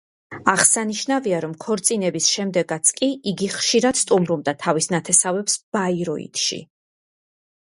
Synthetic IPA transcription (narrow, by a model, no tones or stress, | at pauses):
aʁsaniʃnaviaɾɔmkʰɔɾt̪sʼinɛbisʃɛmd̪ɛɡat̪sʰkʼiiɡiχʃiɾad̪̥st̪ʼumɾubd̪at̪ʰavisnat̪ʰɛsavɛpsb̥aiɾɔḭt̪ʃḭ